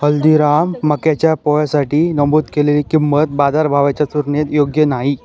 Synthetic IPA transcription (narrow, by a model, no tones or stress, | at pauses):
həld̪iɾamːəkjat͡ɕjapɔɭjasaʈiːnəmbud̪keleliːkimːət̪̚bad̪aɾbʱaʋat͡ɕjat͡suɾɳjet̪joɡjənaɦi